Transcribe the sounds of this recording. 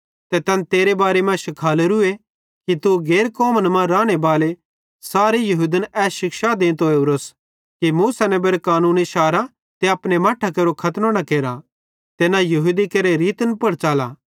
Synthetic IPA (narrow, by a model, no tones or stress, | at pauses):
t̪ɛt̪ɐnt̪eːɾebaːɾemɛ̃ʃɪkʰaːleɾʊe | kit̪uɡeːɾkɔːmənmãɾaːɽ̃ebaːle | saːɾejɐɦuːd̪ənɛːsʃɪkʃad̪ẽːnt̪ɦoːebɾos | kimuːsanebeːɾkaːnũːniʃaːɾa | t̪eɐpɽ̃emaːʈʰakeːɾokʰɐt̪nonɐkeːɾa | t̪eːnajɐɦud̪ikɐɾeɾiːt̪ənpɐɽt͡ʃaːlaː